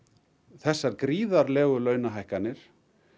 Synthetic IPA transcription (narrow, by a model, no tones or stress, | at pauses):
θɛsːaɾkɾiːðaɾlɛːɣʏlœːɥnaɦajhkanːɪɾ̥